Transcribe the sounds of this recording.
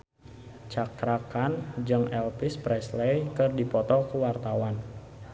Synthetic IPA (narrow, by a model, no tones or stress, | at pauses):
t͡ʃakɾakand͡ʒɨŋɛlpɪspɾɛslɛjkɨrdipɔt̪ɔkuwart̪awan